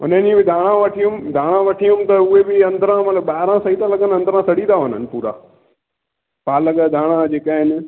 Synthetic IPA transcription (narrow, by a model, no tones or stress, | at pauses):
ʊ̰nənĩbɪd̪ʱaːɽ̃ãʋɐʈʰijʊ̃md̪ʱaːɽ̃ãʋɐʈʰijʊ̃mt̪ɐʊɦebɪɐ̃nd̪ʱəɾãmɐt̪ləbaːɦɪɾãsɐit̪ãlɐɠənɪɐ̃nd̪ʱəɾãsɐɽĩd̪aʋʊn̤ənɪ̆puːɾa̰ː | pʰaːlɐɠəd̪ʱaːɽ̃ãd͡ʑeːkaːɦɪnɪ̆